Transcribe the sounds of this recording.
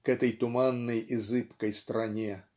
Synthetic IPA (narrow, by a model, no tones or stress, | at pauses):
kɛt̪əjt̪ʊmanːəjɪzɨpkəjst̪ɾɐnʲe